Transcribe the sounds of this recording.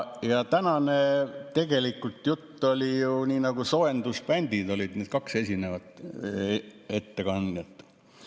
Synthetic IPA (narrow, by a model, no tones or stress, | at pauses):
jɑt̪ænɑnet̪e̞ɡ̥e̞likːult̪ˑjut̪ːo̞lʲijuniːnɑɡ̥uso̞end̪̥uspænʲd̪id̪o̞lʲid̪̥ned̪̥kɑkse̞sʲine̞vɑt̪ːˑ | e̞t̪ːe̞kɑnd̪jɑt̪ːˑ